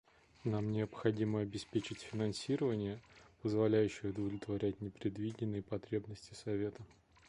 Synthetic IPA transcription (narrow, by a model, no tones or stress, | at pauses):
namnʲɪəpxɐdʲiməɐbʲɪspʲet͡ɕɪtʲfʲɪnɐnsʲiɾəvənʲɪjəpəzvɐlʲæjʉɕːɪjəʊd̪əvlʲɪt̪vɐɾʲætʲnʲɪpɾʲɪd̪vʲidʲɪnːɨjəpɐt̪ɾʲe̞bnəsʲtʲɪ̥sɐvʲe̞t̪ə